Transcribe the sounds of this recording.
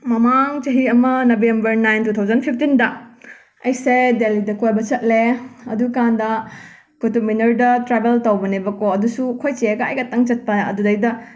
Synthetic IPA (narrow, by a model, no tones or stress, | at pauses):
mɐmaŋt͡ʃɐɦiɐmɐnɐbembɐɾnajntut̪ʰawzɐnpʰip̚ʰtindɐ | ɐjsedelidɐkojbɐt͡ʃɐt̚leɐdukandɐ | kutuminɐɾdɐtɾabeltɐwbɐnebɐkoɐdusuɐkʰojt͡ʃeɐɡɐɐ̰jkɐtɐŋt͡ʃɐt̚pɐɐ̰dudɐjdɐ